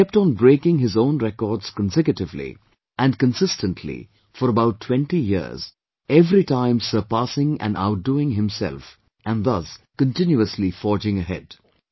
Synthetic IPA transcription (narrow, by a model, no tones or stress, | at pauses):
ɛp̚tːn̩bɾeɪkɪ̃ŋɦɪzõʊ̃nɾɛkɔːdz̥kə̃nsɛkjɨtɪvlḭ | ʔæ̃nkə̃nsɪstə̃ntʰlḭ | fɔɾəbaʊtːʰwɛ̃ntijɪ̰z̥ | ɛvɾitãɪ̃msə˞pæsɪ̃ŋæ̰̃na̰ʊt̚d̥uɪ̃ŋɦɪ̃msɛ̰lˠf | ʔæ̃nðʌs | kə̃ntɪ̃njuəslifɔːd͡ʒɪ̃ŋəɦɛ̰d̥